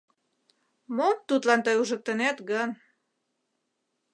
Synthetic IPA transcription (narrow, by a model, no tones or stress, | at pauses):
mont̪ːut̪lɑnt̪ɤjuʒə̆k̚t̪ənæt̪ɡən